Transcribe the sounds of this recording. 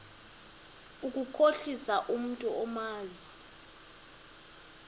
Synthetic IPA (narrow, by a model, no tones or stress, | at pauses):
ukʼukʰoɬisaʔum̩tʼuɔmaːzi